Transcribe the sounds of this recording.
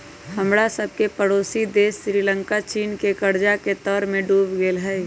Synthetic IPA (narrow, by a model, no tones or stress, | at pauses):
həmɽasəb̚ʱkepəɽoːsid̪eːsːɾiːlə̃ŋkat͡ʃiːnkekəɾd͡ʒaket̪ɔːɾmẽɖuːbɡeːlɦɛː